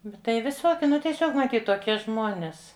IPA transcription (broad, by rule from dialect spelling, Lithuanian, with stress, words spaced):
bʲɛt ˈtɐɪ ʋʲɪˈsoːkʲɪ ˈnʊ tʲiɛˈsʲoːk mɐˈtʲiːt toːˈkʲiɛ ˈʒmoːnʲeːs